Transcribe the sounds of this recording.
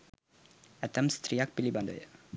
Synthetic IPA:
æt̪əmst̪riak̚piliband̪o̰j

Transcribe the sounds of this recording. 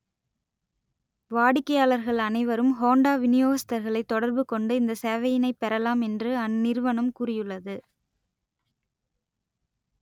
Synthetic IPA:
ʋaːɽɪkːɐjaːɭɐɾɣɐɭɐnɐɪʋɐɾɯmɦoːɳɖaːʋɪnɪjoːɣɐsɪ̥t̪ːɐɾɣɐɭɐɪt̪ːɔɽɐɾbɯkɔɳɖɯɪnd̪ɐsɛːʋɐjɪnɐɪpːɛɾɐlaːmɛndrɯɐnːɪɾɯʋɐɳɯmkʊrɪjɯɭːɐðɯ

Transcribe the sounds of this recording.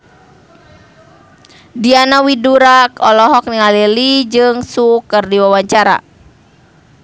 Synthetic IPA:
dianawiduɾakɔlɔɦɔk̚niŋalɛlid͡ʒɨŋsukərdiwawaɲt͡ʃaɾa̰

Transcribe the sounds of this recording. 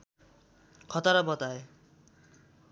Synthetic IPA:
kʰɔt̪aɾabɔt̪ae

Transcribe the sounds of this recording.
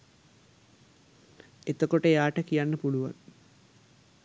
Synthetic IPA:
et̪ːokːoʈːejaːʈːɐkːijaːnnɐpuɭuʋa̰ːn

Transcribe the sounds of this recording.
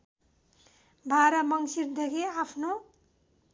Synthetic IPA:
bʱaɾʌmʌŋsird̪ʱʌkeapʰno

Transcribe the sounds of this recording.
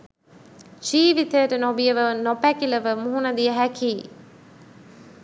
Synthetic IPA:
t͡ʃiːʋit̪əjəʈənobijəʋənopækiləʋəmuɦunɐd̪ijəɦækiː

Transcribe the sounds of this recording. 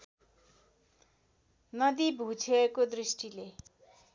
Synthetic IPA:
nʌd̪ibʱut͡sʰeekod̪risʈile

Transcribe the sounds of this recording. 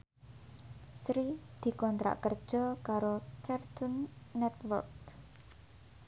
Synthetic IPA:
sɾid̪̥i̤kɔnt̪ɾa̰ʔkərd̥ʒ̥ɔ̤kaɾokʰɛrt̪ʊnːɛt̪wə̰rk̚

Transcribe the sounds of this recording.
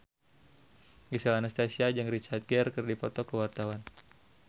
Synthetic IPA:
ɡisalanast̪asiad͡ʒɨŋɾit͡ʃat̪̚ɡrkərdipɔt̪ɔkəwart̪awan

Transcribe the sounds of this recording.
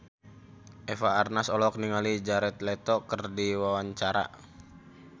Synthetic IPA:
ʔɛfaːrnasɔlɔk̚niŋalid͡ʒaɾɛt̪lɛt̪ɔkərdiwawaɲt͡ʃaɾa̰

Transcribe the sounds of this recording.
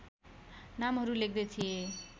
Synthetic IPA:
namɦʌɾulek̚ʰd̪et̪ʰie

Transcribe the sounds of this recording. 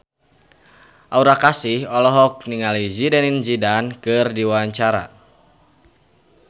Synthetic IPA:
ʔauɾakasihɔlɔɦɔk̚niŋalizidɛninzidankɨrdiwaɲt͡ʃaɾa̰

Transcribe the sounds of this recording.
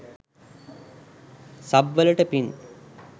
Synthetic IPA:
sɐbʋɐlɐʈəpin

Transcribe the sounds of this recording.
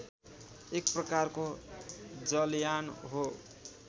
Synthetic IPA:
ekprʌkarko | d͡zʌljanɦo

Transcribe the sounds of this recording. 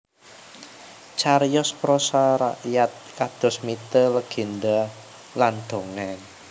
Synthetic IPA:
t͡ʃaɾjɔspɾɔsaɾaʔjat̪̚kad̪̥ɔ̤smit̪ələɡ̥e̤nd̪a | land̪̥o̤ŋɛn

